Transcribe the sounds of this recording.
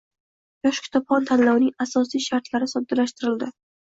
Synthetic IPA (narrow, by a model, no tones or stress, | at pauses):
jɒʃkʲʰɪ̥t̪ʰɒpχɒnt̪ʰanlawnɪŋasɒsijʃaɾt̪laɾɪsɒd̪alaʃt̪ɪɾɪld̪ɪ